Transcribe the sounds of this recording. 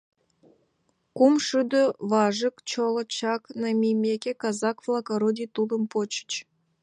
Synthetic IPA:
kumʃyd̪øvɑʒə̆kt͡ɕolɤ̆t͡ɕɑknɑmʲijmʲekʲekɑzɑkvlˠɑkoɾodʲit̪ud̪ə̆mpot͡ɕə̥t͡ɕ

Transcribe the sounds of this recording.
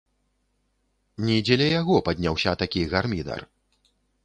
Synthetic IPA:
nʲid͡zʲɛlʲɛjaɣɔpad̪ʲnʲawsʲɐt̪akʲiɣarmʲid̪ɐ̰r

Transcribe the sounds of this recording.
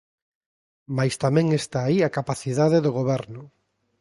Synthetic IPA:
majst̪amɛ̃ŋest̪aːiakapaθiðaðeðʊɣ̞oβɛɾnʊ

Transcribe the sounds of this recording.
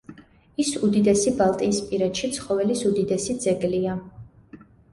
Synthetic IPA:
isud̪id̪ɛsibalˠt̪ʼiːspʼiɾɛt̪ʃit̪sʰχɔvɛlisud̪id̪ɛsid̪zɛɡlia

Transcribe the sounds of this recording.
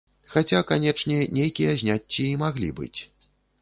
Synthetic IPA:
xat͡sʲakanʲɛt͡ʂnʲɛnʲejkʲijɐzʲnʲat͡sʲːiːmaɣlʲḭbɨ̰t͡sʲ

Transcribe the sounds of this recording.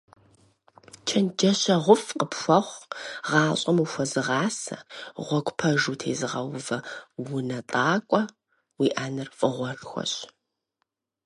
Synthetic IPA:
t͡ʃʰɐnd͡ʒɐɕɐʁʷʊfqəpʃʷɐχʷʁɑːɕʼɐmuxʷɐzɨʁɑːsɐ̰ʁʷɔkʷʼpʰɐʒuːtʰḛːzɨʁɐwʊvɐwʊnɐtʼaːkʷʼɔ | wiːʔaːnɨrfʼɨʁʷɔɬxʷɔ̰ɕʼ

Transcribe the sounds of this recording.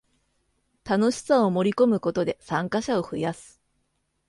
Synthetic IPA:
t̪ano̞ɕi̥sao̞mo̞ɾʲiko̞mɯ̟ko̞t̪o̞d̪e̞sãŋkaɕao̞ɸɯ̟jasɨ̥

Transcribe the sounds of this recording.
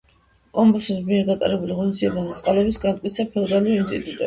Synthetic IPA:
kʼɔmbɔsɛsmiɛɾɡat̪ʼa̰ɾɛbuliʁɔnisd̪iɛbaat̪sʼqʼalɛbisɡant̪ʼkʼit̪sʰapʰɛlˠd̪aliɔint̪sʼḭt̪ʼut̪ʼɛ

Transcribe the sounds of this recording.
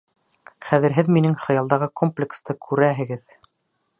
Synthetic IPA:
χæðɘ̆ɾɦɘðminɘŋχɤ̆jɑlˠd̪ɑʁɤkomplʲɪkst̪ɤkʰʉɾæɦɘ̆ɡɘð

